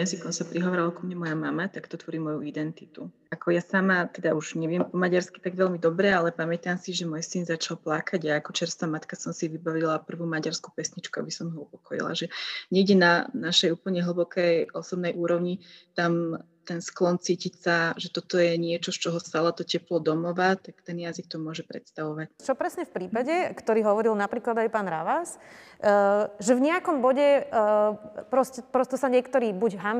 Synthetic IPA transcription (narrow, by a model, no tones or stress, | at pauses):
ɛɛmsikɔnsapɾiɦɔʋaːɾalakumɲɛmɔjamamat̪akt̪ɔt̪ʋɔɾiːmɔjuid̪ɛnt̪it̪u | akɔjasamat̪ɛd̪auʒɲɛʋɪɛmpɔmaɟaɾski̥t̪aɡʋɛʎmid̪ɔbɾɛalɛpamɛt̪amsiʒɛmɔjsinzat͡ʃalplakaɟaakɔt͡ʃɛɾst̪aːmat̪kasɔmsiʋibaʋilapr̩ʋuːmaɟaɾsku̥pɛsɲit͡ʃkua̰bisɔmɦɔupɔ̥kɔjḭlˠa̰ʒɛɲɛiɟɛnanaʃɛjuːpl̩ɲɛɦl̩bɔkɛjɔsɔbnɛjʔuːɾɔʊɲit̪am | t̪ɛnsklɔnt͡siːcicsaʒɛt̪ɔt̪ɔjɛɲɪɛt͡ʃɔst͡ʃɔɦɔst̪alat̪ɔcɛplɔd̪ɔmɔʋat̪akt̪ɛnjazik̚t̪ɔmʊɔʒɛpɾɛt̪st̪aʋɔʋac̚t͡ʃɔpɾɛsɲɛfpɾiːpaɟɛkt̪ɔɾiːɦɔʋɔɾilnapɾiːklad̪ajpaːnɾa̰ʋas | ʒɛvɲɛakɔmbɔɟɛ | pɾɔscɛpɾɔst̪ɔsaɲɪɛkt̪ɔɾiːbuɟɦam